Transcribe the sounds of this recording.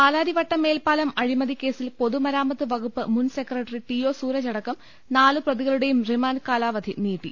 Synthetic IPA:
aːlaːɾiʋɐʈːɐme̞ːlpaːlɐmɐɻimɐd̪ʱikːe̞ːsilpo̞ðumɐɾaːmɐt̪ːɨʋɐɡupːɨmunsekrɐʈːɐriʈiːjo̞ːsuːɾɐt͡ɕɐɽɐkːɐm | naːlɨprɐðiɣɐɭuɽe̞jumrimaːnkaːlaːʋɐd̪ʱiniːʈːḭ

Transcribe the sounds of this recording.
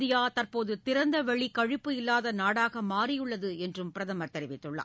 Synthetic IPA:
ðɪjaːt̪ɐrpoːðɯt̪ɪɾɐnd̪ɐʋɐɭikɐɻɪpːɯɪlːaːðɐnaːɽaːɣɐmaːɾɪjɯɭːɐðɯɛndrɯmpɪɾɐðɐmɐɾt̪ɛɾɪʋɪt̪ːɯɭːɐ̰

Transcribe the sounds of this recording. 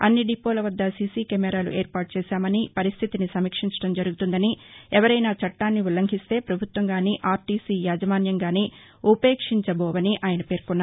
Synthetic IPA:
ɐ̰nːiɖipoːlɐʋɐd̪ːɐsisiːkɛmɛɾaːlṵʔeːɾpaːɾʈ̚t͡ʃɛːʃaːmɐnipɐɾist̪ʰit̪inisɐmiːkʂiɲt͡ʃɐ̥ɽɐmd͡ʒɐɾuɡut̪und̪ɐniɛʋɐɾɐjnaːt͡ʃɐʈːaːnːiʋulɐŋɡʱist̪e̞ːpɾɐbʱut̪ʋɐŋɡaːniʔaːɾʈiːsijaːd͡ʒɐʋaːnjɐŋɡaːni | upe̞ːkʂiɲt͡ʃɐbɔːʋɐniʔaːjɐnɐpe̞ːɾkunːa

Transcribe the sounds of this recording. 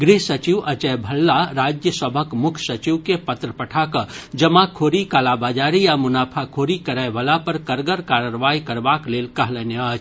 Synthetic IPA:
ɡɾiɦsət͡ʃiʋɐt͡ʃɛbʱəlːaɾaːd͡ʒjəsəbʱəkmʊkʰsət͡ʃiʋkepət̪ɾəpəʈʰakəd͡ʒɐmakʰoːɾikalabaːd͡ʒaːɾijamʊnaːpʰakʰoːɾikəɾaʋəlapəɾkəɾɡəɾkaːɾəɾʋaːikɐɾbaːkleːlkɐɦlɛneat͡ʃʰ

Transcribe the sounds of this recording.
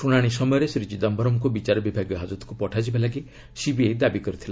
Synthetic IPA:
ɾuɽ̃aɽ̃isɔmɔjɔɾesɾit͡ʃid̪ɔmbʱɔɾɔmkubit͡ʃaɾɔbibʱaɡɔɦad͡ʒɔt̪ɔ̥kupɔʈʰad͡ʒibalaɡi | sibied̪abikɔɾit̪ʰila

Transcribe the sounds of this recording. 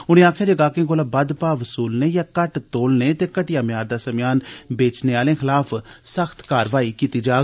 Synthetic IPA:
ʊñẽːaːkʰjaːd͡ʒəɡaːkẽːkoːlaːbəd̪paːʋəsuːlneːjaːkəʈt̪oːlneːt̪eːkəʈɪjaːmɪjaːɾd̪aːsəmjaːnbeːt͡ʃneːaːlẽːxʰɪlaːpʰsəxʰt̪kaːɾʋaːiːkiːt̪iːd͡ʒaː

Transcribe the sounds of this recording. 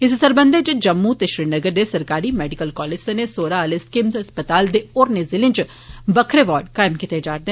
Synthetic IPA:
ɪs̬səɾbə̃nd̪et͡ʃd͡ʒəmːut̪eʃɾiːnəɡəɾd̪esəɾkaːɾimɛːɖɪkəlkɔːleːd͡ʒsenesoːɾaəleskɪmzɐspət̪aːld̪eoːɾnezɪlɪ̃nt͡ʃ | bəkʰɾeːʋaːɾɖkaːɪmkɪt̪ed͡ʒaːɾd̪e

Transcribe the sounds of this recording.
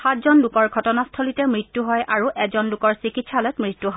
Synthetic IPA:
xatzɔnlukɔɹɡʱɔtɔnastʰɔlitɛmɹitːuɦɔjʔaɹuʔɛzɔnlukɔɹsikitsalɛtmɹitːuɦɔ

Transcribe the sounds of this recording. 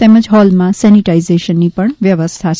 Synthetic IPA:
emə̃d͡ʒɦɔlmãsɛniʈaizeʃənːipəɳʋjəʋəst̪ʰa

